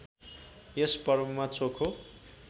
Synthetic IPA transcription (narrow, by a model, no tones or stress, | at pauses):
jespʌrmumat͡sokʰo